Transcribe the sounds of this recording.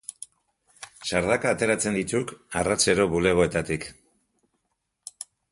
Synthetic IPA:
saɾðakaːt̪e̞ɾat͡se̞nd̪it̪ukarat͡se̞ɾo̞βule̞ɣ̞o̞e̞t̪at̪ik

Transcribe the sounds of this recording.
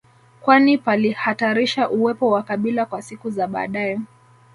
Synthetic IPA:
kwanipalihataɾiʃaʔuwɛpɔwakaɓilakwasikuzaɓa̰ːɗajɛ

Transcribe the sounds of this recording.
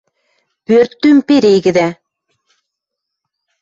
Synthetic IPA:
pøɾt̪ːympeɾejɡɘ̆d̪æ

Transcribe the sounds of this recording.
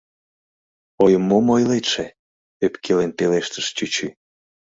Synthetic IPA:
ojəmːomojlet̪ʃe | øpkʰelent̪eleʃt̪ə̥ʃt͡ɕyt͡ɕy

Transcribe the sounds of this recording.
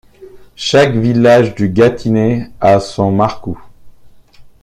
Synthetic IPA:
ʃakvilaʒd̪yɡat̪ʰineasɔ̃maʁko

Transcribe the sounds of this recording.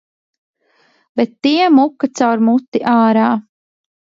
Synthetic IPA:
b̥ɛt̪ːiɛmukːat̪sawɾmut̪ːiʔaːɾaː

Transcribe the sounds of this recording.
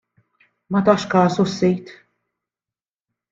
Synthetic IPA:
mɐt̪ɐʃkɐːsɔsːijt̪

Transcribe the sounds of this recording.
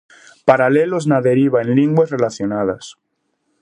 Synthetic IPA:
paɾalelo̞znaðe̞ɾiβaẽnliŋɡwezrelaθjonað̞as

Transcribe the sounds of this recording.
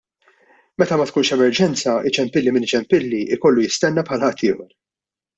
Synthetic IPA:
mɛt̪ɐmɐt̪̚kuːnʃɛmɛɾd͡ʒɛnt͡sɐɪt͡ʃɛmpɪlːimɪnɪt͡ʃɛmpɪlːiʔɪkɔlːujɪst̪ɛnːɛpħɐlɐhɐt̪ʰːɪːhɔɾ

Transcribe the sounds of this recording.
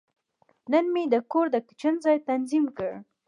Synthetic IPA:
nənmed̪əkoɾd̪əkɪ̥t͡ʃənzɑjt̪anzimkəɽ

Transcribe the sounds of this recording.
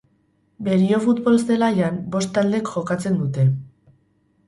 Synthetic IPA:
be̞ɾio̞fut̪bo̞lzd̪e̞lajambo̞st̪ald̪e̞kʝo̞kat͡se̞nd̪ut̪e̞

